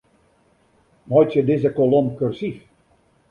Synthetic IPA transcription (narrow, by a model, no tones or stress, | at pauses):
mɔjtjədɪzəkolɔmkørsif